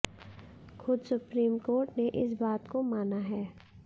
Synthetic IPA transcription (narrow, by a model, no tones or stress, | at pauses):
xʊd̪sʊpɾiːmkoːɾʈneʔɪsbaːt̪komaːnaɦɛː